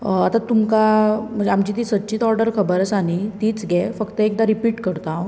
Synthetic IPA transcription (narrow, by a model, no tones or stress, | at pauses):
at̪at̪umkam̤əd͡zeamt͡ɕit̪̬iːsət̪ːɕiːt̪ɔɾɖəɾkʰəbəɾət͡sañit̪iːt͡sɡʱɛfəkt̪əek̚d̪aɾipiːʈkəɾt̪aõ